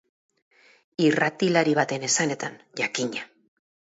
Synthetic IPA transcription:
irat̪ilaɾiβ̞at̪e̞ne̞sane̞t̪an | ʝakiɲa

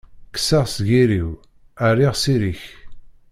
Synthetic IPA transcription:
ksaʁsʝiɾiw | ərːiʁsiɾiç

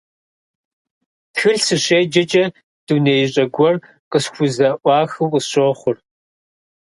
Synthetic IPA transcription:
txɨɬsɨɕeːd͡ʒɐt͡ʃʼɐ | d̥uneːjɕʼɐɡʷɔr | qəɕxʷʊzɐʔʷɑːxɨːqəɕoːχʷʊr

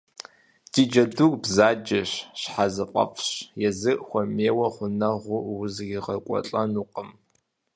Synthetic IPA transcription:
d̥iːd͡ʒɐdukʷbzaːd͡ʒɐɕɕħazɨqʷʼɐ̰fʰɕjɛzɨʔxʷɔmeːwɐχʷʊnɐʁʷʊwʊzɡʲiʁɐkʷʼɔ̰ɬʼɐnuːqəm

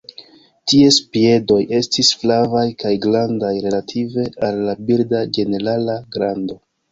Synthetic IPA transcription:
tiespie̞do̞je̞stisflavajkajɡlandajɾe̞latʰive̞alːabiɾdad͡ʒe̞ne̞ɾalaɡɾando̞

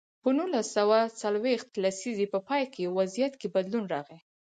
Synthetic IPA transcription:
pənulasawat͡salwext̪lasizepəpɑjkʰewazijat̪kebad̪lunɾɑɣe

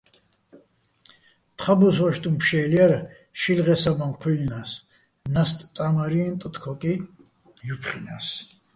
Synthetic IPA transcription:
t̪ʰχabus̬ɔʃt̪ʼumpʰʃɛːliaɾ | ʃilʁɛsamamqʰulnas | nast̪ʼt̪ʼamaɾiɛnt̪ʼɔt̪ʰkʰɔkʼi | jupʰχinas

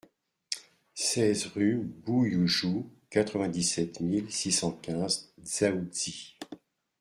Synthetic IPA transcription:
sɛzʁybujuʒukat̪χəvɛ̃d̪isɛt̪milsisɑ̃kʲɛ̃zz̥aud̪i

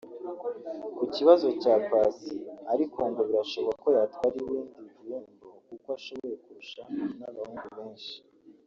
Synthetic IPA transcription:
kuciβazo̞caːkwaːsiaɾikoːŋɡoβiɾaʃoβoɡako̞jatwaːɾiwiːndivijuːmbokukoaʃo̞βo̞je̞kuɾuʃanaβahuːnɡuβe̞ːnʃi̥

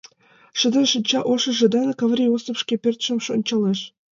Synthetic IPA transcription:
ʃə̆d̪ə̆nʃə̆nʲt͡ɕɑʔoʃɤ̆ʒĕd̪ɑnɤkɑvɾʲiosofʃkʲepʲørt̪ʃə̆mʃonʲt͡ɕɑleʃ

